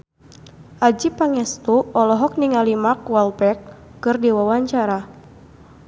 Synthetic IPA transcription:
ʔad͡ʒipaŋɛst̪uɔlɔɦɔk̚niŋalimakwalpɛkː | ɨrdiwawaɲt͡ʃaɾa

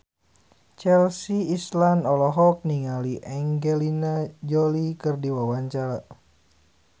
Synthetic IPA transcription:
t͡ʃɛlsiːslanɔlɔɦɔk̚niŋaliʔɛŋɡɛlinad͡ʒɔlikɨrdiwawaɲt͡ʃaɾa

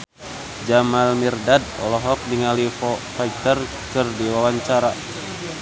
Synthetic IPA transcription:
d͡ʒamalmirdad̚ɔ̰lɔɦɔk̚niŋalifɔfait̪ər | kɨrdiwawaɲt͡ʃaɾa

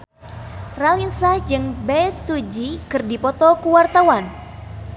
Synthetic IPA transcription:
ralinsahd͡ʒɨŋbɛsud͡ʒikɨrdipɔt̪ɔkuwart̪awan

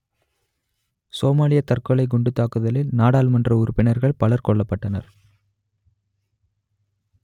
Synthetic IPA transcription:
soːmaːlɪjɐt̪ɐrkɔlɐɪɡʊɳɖɯt̪ːaːkɯðɐlɪlnaːɽaːlmɐndrɐʊɾʊpːɪnɐɾɣɐɭpɐlɐɾkɔɭːɐpːɐʈːɐnɐ̰ɾ

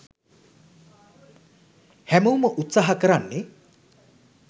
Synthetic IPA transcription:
hæməwməʔut̪saːɦakəɾanːe

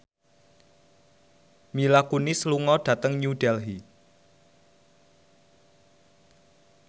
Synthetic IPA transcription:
milakunɪsluŋɔɖ̥ä̤t̪əŋɲuɖ̥ɛlɦi

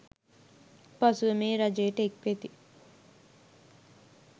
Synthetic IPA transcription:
pɐsuʋɐmeːɾɐd͡ʒejːʈəek̚ʋet̪i

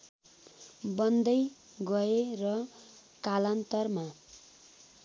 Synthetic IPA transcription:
bʌnd̪ʌj | ɡʌerʌ | kalʌnt̪ʌrma

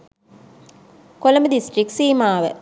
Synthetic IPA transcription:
koləməd̪isʈriksiːmaːʋə̰

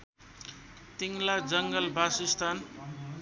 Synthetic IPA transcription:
t̪iŋlad͡zʌŋɡʌlbasist̪ʰan

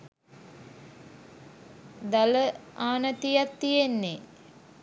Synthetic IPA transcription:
d̪aləaːnət̪ijat̪ːijenːe

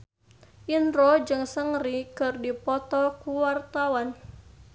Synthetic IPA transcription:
ʔinrɾɔd͡ʒɨŋsəŋrikɨrdipɔt̪ɔkuwart̪awan

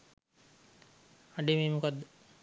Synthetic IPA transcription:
aɖemeːmukad̪ːə

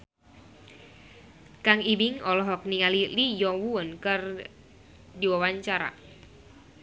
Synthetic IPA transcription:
kaŋibiŋɔlɔɦɔk̚niŋalilijɔwuənkər | diwawaɲt͡ʃaɾa̰

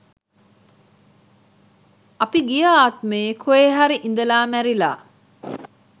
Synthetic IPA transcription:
apiɡijəaːt̪məjekʰueɦaɾiʔind̪əlaːmæɾila̰ː

